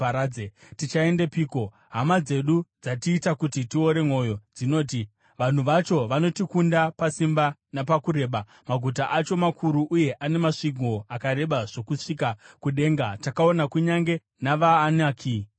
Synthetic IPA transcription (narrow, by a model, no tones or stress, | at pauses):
aɾad͡zetit͡ʃae̞ndepiːko̞ | ɦamad͡ze̞ɗud͡zatiːtakutitio̞ɾe̞mo̞jo̞d͡zino̞ːt̬i | ʋan̤uʋat͡ʃo̞ʋanotikundapasimbanapakuɾe̞ːɓa | maɡʱut̬aʔat͡ʃo̞makʰuɾuʔuje̞ʔane̞maʂiɡʱo̞akaɾe̞ɓaʐ̥o̞kuʂikakuɗe̞ːŋɡatakao̞nakuɲaŋɡe̞ | naʋaːnaːkʰi